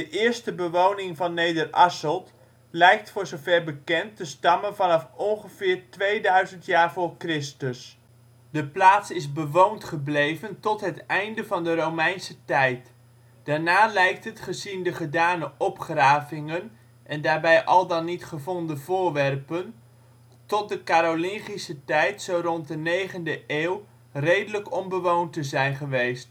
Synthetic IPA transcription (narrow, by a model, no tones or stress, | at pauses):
d̥əʔɪːɹstəbəʋownɪŋvɑnːejdərɑsəlˠt | lɛjk̚tfʊːɹzowvɛɹbəkɛntəstɑmənvɑnɑfɔnχəvɪːɹtʋejdœɥzəntjaːɹvʊːɹkrɪstəs | dəplaːtsɪzbəʋowntχəblejvəntɔtɦətɛjndəvɑndəɾowmɛjnsətɛjt | d̥aːɹnaːlɛjk̚tɦətχəzindəχədaːnəʔɔpχraːvɪŋən | ʔɛndaːɹbɛjʔɑlˠdɑnːitχəvɔndəvʊːɹʋɛrpən | tɔt̚dəkaːɾolɪŋχisətɛjtsowrɔnt̚dənejχəndəʔeːw | rejdələkɔmbəʋowntəzɛjnχəʋejst